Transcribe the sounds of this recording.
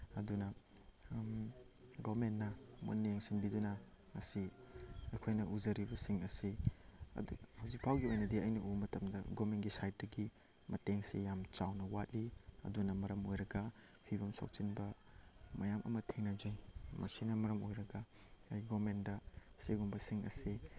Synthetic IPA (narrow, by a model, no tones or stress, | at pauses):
ɐdunɐ | ɡomenːɐmṵnːijaŋsinbidunɐ | ŋɐsiɐjkʰojnɐʔuzɐɾibɐsiŋɐsiɐ̰dṵhɐwzik̚pʰawɡiojnɐdiɐjnɐʔumɐtɐmdɐɡomenɡisajt̚dɐɡi | mɐteŋsijamt͡ʃawnɐwat̚liɐ̰dunɐmɐɾɐmojɾɐɡɐ | pʰibɐmso̰k̚t͡ʃinbɐmɐjamʔɐ̰mɐtʰeŋnɐd͡ʒɐjmɐ̰sinɐmɐɾɐmojɾɐɡɐ | ɐjɡɔmendɐseɡumbɐsiŋɐ̰si